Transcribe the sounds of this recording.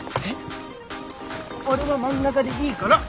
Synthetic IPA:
e | oɾeβamãŋɡakad̪e̞iːkana

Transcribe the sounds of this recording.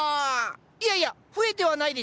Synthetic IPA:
iaia | ɸɯ̟e̞t̪e̞βanaid̪e̞

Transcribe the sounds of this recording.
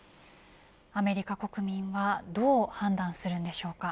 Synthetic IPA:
ame̞ɾʲikako̞kɯ̟mʲĩɰ̃βad̪o̞ːhãnd̪ãɰ̃sɨɾɯ̟̃nd̪e̞ɕo̞ːka

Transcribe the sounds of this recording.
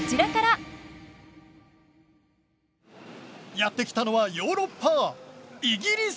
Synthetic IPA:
t͡ɕiɾakaɾa | jat̪ːe̞kʲi̥t̪ano̞βajo̞ːɾo̞pːa | iɡʲiɾʲis

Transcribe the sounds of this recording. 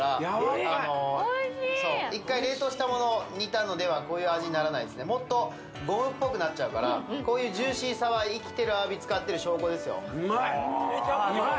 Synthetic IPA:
ɾaano̞ | so̞ːikːaiɾe̞ːt̪o̞ːɕi̥t̪amo̞noːɲit̪ano̞d̪e̞β̞ako̞ːjɯ̟ːaʑiɲ̟inaɾanaid̪e̞sɨne̞mo̞t̪ːo̞ | ɡo̞mɯ̟̃pːo̞kɯ̟natt͡ɕ̚ːt͡ɕaɯ̟kaɾa̰ko̞ːjɯ̟ːʑɨːɕĩɰsaβaiikʲi̥t̪e̞ɾɯ̟abʲit͡sɨ̥kat̪ːe̞ɾɯ̟ɕo̞ːko̞d̪e̞sɨjo̞̰

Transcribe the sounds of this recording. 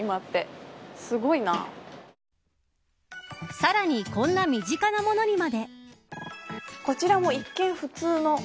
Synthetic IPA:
imat̪ːe̞sɨɡo̞ina̰ː | saɾaɲ̟ikõ̞nːamʲiʑikanamo̞no̞ɲ̟imad̪e̞ | ko̞t͡ɕiɾamo̞ikːẽ̞ɰ̃ɸɯ̟t͡sɨːno̞

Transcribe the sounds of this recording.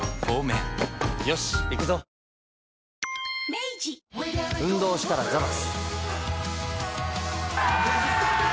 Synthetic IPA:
oːmejoɕikɯzo | meid͡ʑiɯ̟̃nd̪o̞ːɕi̥t̪aɾad͡ʑaβas

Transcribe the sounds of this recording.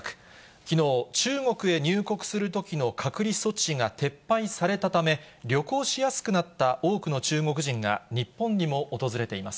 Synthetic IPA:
kɯ̥ | kʲino̞ːt͡ɕɨːŋo̞kɯ̟e̞ɲ̟ɨːko̞kɯ̟̥sɨɾɯ̟t̪o̞kʲino̞kʰakɯ̟ɾʲiso̞t͡ɕiŋat̪e̞pːaisaɾe̞t̪at̪ame̞ɾʲo̞ko̞ːɕijasɨ̥kɯ̟nat̪ːaʔo̞ːkɯ̟no̞t͡ɕɨːŋo̞kɯ̟ʑĩŋɡa̰ɲ̟ipːõ̞ɲ̟ɲːimo̞ʔːt̪o̞zɨɾe̞t̪e̞imasɨ̥

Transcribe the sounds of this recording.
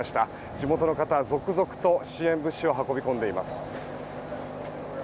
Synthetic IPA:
aɕi̥t̪a | d͡ʑimo̞t̪o̞no̞kat̪azo̞kɯ̟zo̞kɯ̟̥t̪o̞ɕiẽ̞mbɯ̟ɕioɦako̞bʲikõ̞nd̪e̞ima̰sɨ̥

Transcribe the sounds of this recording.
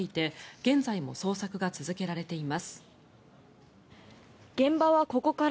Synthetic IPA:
it̪e̞ɡ̥ẽ̞nd͡zaimo̞̰so̞ːsakɯ̟ɡat͡sɨzɨke̞ɾaɾe̞t̪e̞imasɨ̥ | ɡ̥ẽ̞mbaβako̞ko̞ka

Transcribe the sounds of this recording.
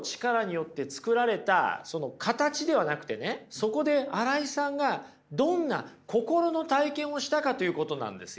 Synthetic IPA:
t͡ɕi̥kaɾaɲ̟ijo̞t̪ːe̞t͡sɨ̥kɯ̟ɾaɾe̞t̪a̰so̞no̞kʰat̪at͡ɕid̪e̞β̞anakɯ̟̥t̪e̞ne̞so̞ko̞d̪e̞aɾaisãŋɡa | d̪õ̞nːa̰ko̞ko̞ɾo̞no̞t̪aikẽ̞ɰ̃o̞ɕi̥t̪akat̪o̞jɯ̟ːko̞t̪o̞nã̰nd̪e̞sɨ

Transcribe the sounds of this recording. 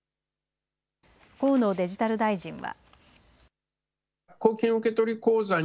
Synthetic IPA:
ko̞ːno̞ːd̪e̞ʑit̪aɾɯ̟d̪aiʑĩɰ̃βa̰ | kːoːkʲĩɰ̃ɯ̟ke̞t̪o̞ɾʲiko̞ːza

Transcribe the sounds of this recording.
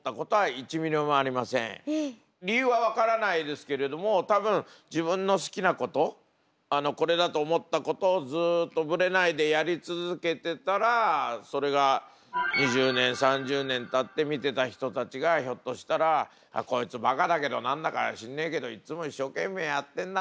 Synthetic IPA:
t̪ːako̞t̪o̞ait͡ɕimʲiɾomaːɾʲimasḛ̃ɴ | ɾʲiɯ̟βaβakaɾanaid̪e̞sɨ̥ke̞ɾe̞d̪o̞mo̞t̪abɯ̟̃ɴ̃d͡ʑibɯ̟̃nːo̞sɨ̥kʲinako̞t̪o̞ | ano̞ko̞ɾe̞d̪at̪o̞ːmo̞t̪ːako̞t̪o̞ːd͡zɨːt̪ːo̞bɯ̟ɾe̞naid̪e̞jaɾʲit͡sɨzɨke̞t̪e̞t̪aɾaso̞ɾe̞ɡa | ɲiʑɨːnẽ̞ɰ̃sãɲd͡ʑɨːnẽ̞nt̪at̪ːe̞mʲit̪e̞t̪açi̥t̪o̞t̪at͡ɕiɡaço̞t̪ːo̞ɕi̥t̪aɾa | a̰ko̞it͡sɨbakad̪ake̞d̪o̞nãnd̪akaɕĩnːẽ̞ŋke̞d̪o̞it͡sɨmo̞iɕːo̞ːkẽ̞mːe̞ːjat̪ːẽ̞nd̪a

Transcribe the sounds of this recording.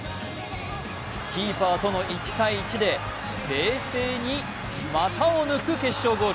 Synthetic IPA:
kʲiːpaːt̪o̞no̞ʔit͡ɕi̥t̪aiːt͡ɕid̪e̞ | ɾe̞ːse̞ːɲ̟i | mat̪aonɯ̟kɯ̟ke̞ɕːo̞ːɡoː

